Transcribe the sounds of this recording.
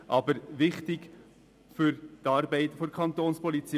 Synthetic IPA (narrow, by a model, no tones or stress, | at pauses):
ʔɑbəɾʋɪχtɪɡ | fʏɾt̪ɑːɾbɛɪtfɔɾkʰɑnt̪oːnspʰɔlit͡si